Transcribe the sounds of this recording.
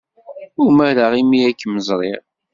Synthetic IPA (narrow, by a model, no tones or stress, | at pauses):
ʊməɾaʁimiækːməzˤɾˤɪʁ